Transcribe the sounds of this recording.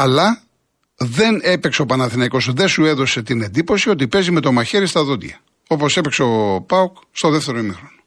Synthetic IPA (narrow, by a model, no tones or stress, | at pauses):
ɐlɐ | ðe̞nepekseo̞pɐnɐθinɐiko̞sðesue̞ðo̞se̞t̪ine̞nd̪ipo̞sio̞t̪̬ipe̞zime̞t̪o̞mɐçe̞ɾist̪ɐðot̪ʝɐ | o̞po̞se̞pekseopɐokst̪o̞ðeft̪e̞ɾo̞imixɾo̞no̥